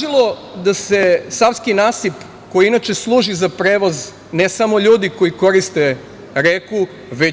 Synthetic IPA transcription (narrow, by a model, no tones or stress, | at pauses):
ʒilod̪ase̞saʋskinaːsip | ko̞jiinat͡ʃe̞slˠuːʒizapɾeːʋoz | nesamo̞ʎuːd̪iko̞jiko̞ɾist̪e | ɾeku | ʋe